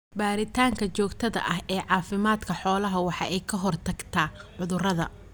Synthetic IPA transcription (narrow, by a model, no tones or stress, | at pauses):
baːɾɪt̪ʰaːŋkʰɐt͡ʃɔːɡt̪ʰɐðɐ̰ʔɐɦɛːʕɑːfɪmaːd̪kʰɐħɔːlɐɦɐwɑħɑʔɛjkʰɐɦɔrt̪ʰɐɡt̪ʰaːʕʊðʊrɐðɐ̰